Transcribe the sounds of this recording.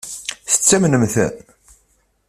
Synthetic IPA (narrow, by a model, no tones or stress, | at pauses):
θə̥t͡sːæmnəmθə̰n